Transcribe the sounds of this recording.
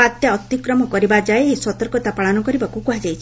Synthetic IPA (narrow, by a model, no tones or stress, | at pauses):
at̪jaɔt̪ikɾɔmɔkɔɾibad͡ʒaeeswɔt̪ɔɾkɔt̪apaɭɔnɔkɔɾibakukuɦad͡ʒajt͡ʃʰi